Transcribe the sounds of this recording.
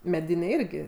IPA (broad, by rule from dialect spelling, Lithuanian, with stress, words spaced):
mʲɛˈdʲɪnʲɛɪ ˈɪrʲɡʲɪ